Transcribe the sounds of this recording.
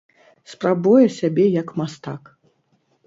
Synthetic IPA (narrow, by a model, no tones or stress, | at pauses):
spɾabujɛsʲabʲɛjɐkmast̪ak